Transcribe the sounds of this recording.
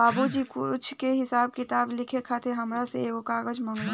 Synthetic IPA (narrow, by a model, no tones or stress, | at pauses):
aːbud͡ʒiːkʊt͡ʃʰkeɦɪsaːb̚kɪt̪aːblɪkʰekʰat̪ʰeɦɐmɾaseokaːɡəd͡ʒmə̃ŋla